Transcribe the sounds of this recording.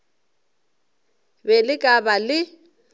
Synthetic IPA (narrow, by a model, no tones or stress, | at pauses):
bɛlɪkʼabalɪ